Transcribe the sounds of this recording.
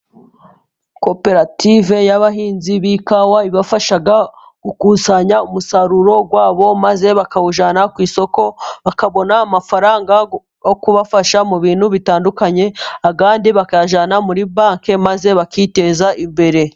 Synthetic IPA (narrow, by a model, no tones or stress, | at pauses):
ko̞pe̞ɾative̞jaβaɦiːnziβikawaiβafaʃaɡa | ukusaɲaumusaɾuɾo̞ɡwaːβo̞maze̞βakauʒanakwiːso̞ko̞βakaβo̞naːmafaɾaːŋɡa | jokuβafaʃamuβiːn̥huβitaːndukaɲe̞akaːndiβakaʒanamuɾibaːŋke̞maze̞βakite̞ːzaʔimbe̞ɾe̞